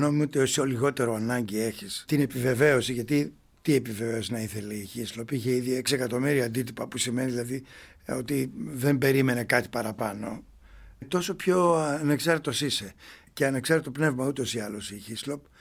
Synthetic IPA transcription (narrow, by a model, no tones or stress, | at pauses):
no̞meot̪iosoliɣo̞t̪e̞ɾo̞ɐnɐɲɟie̞çist̪ine̞pive̞ve̞o̞siʝɐt̪i | t̪ie̞piveve̞osinɐiθe̞leiçislo̞piçe̞iðie̞ksie̞kɐt̪o̞miɾiɐːnd̪it̪ipɐpusime̞niðilɐði | o̞t̪iðe̞mbe̞ɾime̞ne̞kɐt̪i̥pɐɾɐpɐno | t̪o̞so̞pço̞neksɐɾt̪et̪o̞sise̞ceɐneksɐɾt̪et̪o̞pne̞vmɐut̪o̞siɐlo̞siçislo̞p